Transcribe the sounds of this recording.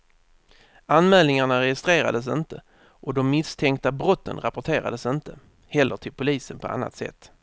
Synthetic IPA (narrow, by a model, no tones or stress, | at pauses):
anmɛːlnɪŋaɳaɾɛjɪst̪ɾeːɾa̰d̪əs̬ənt̪ə | ʔɔd̪ɔmːɪst̪ʰɛŋkt̪abɾɔt̪ːə̰nɾapʊʈʰeːɾa̰d̪əsɪnt̪ə | hɛlːəʈʰɪlpʰʊliːsənpʰɔʔa̰nːa̰t̪sɛ̰t̪ː